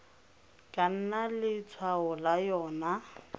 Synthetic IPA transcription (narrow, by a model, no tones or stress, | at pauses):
kʼan̩nalɪt͡sʰwaɦʊlajɔːna